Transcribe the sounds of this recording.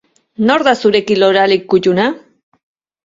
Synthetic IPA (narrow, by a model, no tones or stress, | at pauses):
no̞ɾðasuɾe̞kilo̞ɾalikːuʎuna